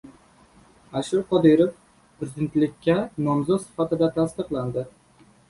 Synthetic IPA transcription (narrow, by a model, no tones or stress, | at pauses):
aʃuɾqɒd̪iɾof | pɾɪzɪd̪ent̪lɪkʲʰːɛnɒmzɔt̪sɪ̥fat̪ɪd̪ɛt̪ʰast̪ɨqlˠand̪ɪ